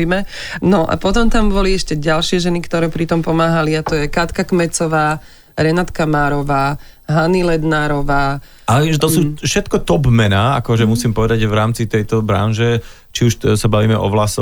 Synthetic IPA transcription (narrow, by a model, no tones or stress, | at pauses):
imɛ | nɔʔa̰pɔt̪ɔmt̪ambɔliɛʃcɛɟalʃɪɛʒɛnikt̪ɔɾɛːpɾit̪ɔmpɔmaːɦaliat̪ɔjɛkat̪kakmɛt͡sɔʋaː | ɾɛnat̪kamaːɾɔʋaːɦanilɛd̪naːɾɔʋaː | alɛʋimʒɛtt̪ɔssuːfʃɛt̪kɔt̪ɔbmɛnaːa̰kɔʒɛmusiːmpɔʋɛd̪aɟʋɾaːmt͡sit̪ɛjt̪ɔbɾa̰nʒɛ | t͡ʃiuʃsabaʋiːmɛʔɔʋlasɔ